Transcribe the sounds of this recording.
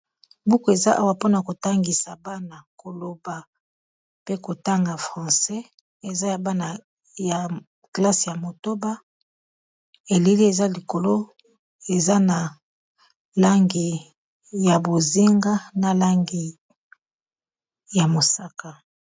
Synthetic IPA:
bu˦ko˨e˨za˦ʔa̰˦wa˨po˦na˨ko˨ta˦ŋɡi˨sa˨ba˦na˨ko˨lo˨ba˨ | pe˦ko˨ta˦ŋɡa˨fʁɑ̃˨sɛ˦ | e˨za˦ja˨ba˦na˨ | ja˨ | kla˦sja˨mo˨to˦ba˦ | e˨li˦li˦e˨za˦li˨ko˨lo˦ | e˨za˦na˨ | la˦ŋɡi˨ | ja˨bo˨zi˦ŋɡa˦na˨la˦ŋɡi˨ | ja˨mo˨sa˦ka˨

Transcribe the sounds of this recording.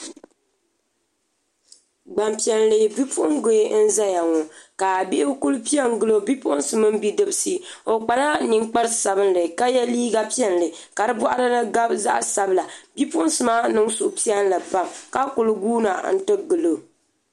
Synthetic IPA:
ɡ͡ba˨mpi˨ɛ˨n˨lɨ˨bi˦pʰʊ˦ʔʊ˦ŋɡo˨e˦n̩˦za˦ja˨ŋo˨ka˨bi˦ʔɪ˦ku˦lpi˦ɛ˦ŋ˦ɡɨ˦lo˦bi˦pʊ˦ʔʊ˦n˦sɨ˨mɨ˦m˦bi˦dɨ˦bsi˦o˨k͡pa˨la˦ni˨ŋk͡pa˦ɾsa˨βɨ˦nlɨ˨ka˦jɛ˦liː˦ɡa˦pi˦ɛ˦n˨lɨ˨ | ka˨ɾɨ˦bɔ˦ʔa˦ɾɨ˦nɨ˦ɡa˦bza̰˦ʔsa˨bla˨bi˦pʊ˦ʔn˦sɨ˨maː˦nɨ˦ŋsʊ˨ʔʊ˨pi˦ɛ˦n˦la˨pa˨mka˦kʊ˨lʊ˦ɡuː˦na˨n̩˦tɨ˦ɡɨ˨lo˨

